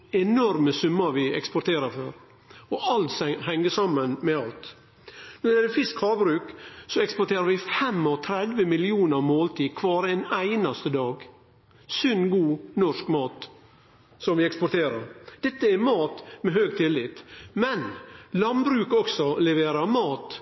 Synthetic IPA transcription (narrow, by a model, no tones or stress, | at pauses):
ɛnɔɾməsʉmːəɾʋɪɛ̰kspɔʈ̪ʰeːɾəɾføːɾ | ɔʔɑlt̪shɛŋːəʂɑmːənmɛɑlt̪ | nɔɾɛd̪ɛfɪskhɑːbɾʉːksɔɛkspɔʈʰeːɾəɾʋɪfɛmɔt̪ʰɾɛd̪ʋəmɪlɪuːnəɾmoːlt̪ʰiːkʰʋɑːɾɛnæɪnɑst̪əd̪ɑːɡ | sʏnɡuːnɔʂkmɑːt̪ | sɔmʋɪɛkspɔʈʰeːɾɑɾd̪̥ɛt̪ːəɛɾmɑːt̪mɛɦøːɡ̚t̪ʰɪlːɪt̪mɛnlɑnbɾʉːkɔksɔlɛʋeːɾɑɾmɑːt̪